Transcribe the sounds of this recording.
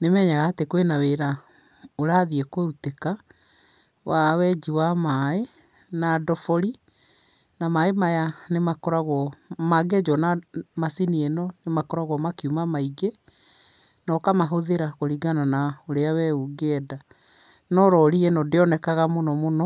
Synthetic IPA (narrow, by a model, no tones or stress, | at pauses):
nemɛːɲaɣaːtekwenaweɾa | oɾaːðiekweuteka | wawɛd͡ʑiwamae | nadɔfɔɾi | namaemajanemakɔɾaɣwɔmaɡɛd͡ʒɔnamasinienɔnemakɔɾaɣwɔmakiumamaiɡe | nɔkamaɦoðeɾakoɾiɡananaoɾeawɛuɡeɛda | nɔɾɔɾienɔdeɔnɛkaɣamonɔmonɔ